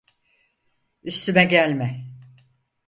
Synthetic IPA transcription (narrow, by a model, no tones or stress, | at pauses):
yst̪ʰymɛɟælʲmɛ